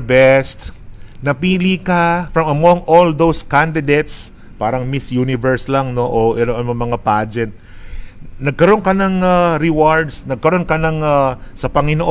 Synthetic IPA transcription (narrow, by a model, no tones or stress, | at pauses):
bɛst̪nɐpiːlikɐfɹɐmɐmoŋʔold̪owskand̪ɪd̪ejt̪s | paːɾɐŋmisjuːnɪvɛɹslaŋno̞ʔoʔɛloʔɐnmɐmɐŋapaːd͡ʒɛnt̪̚ | nɐɡ̚kɐɾo̞nkɐnɐŋaɾɪwaɹd̪snɐɡ̚kɐɾo̞nkɐnɐŋasɐpɐŋɪnoʔ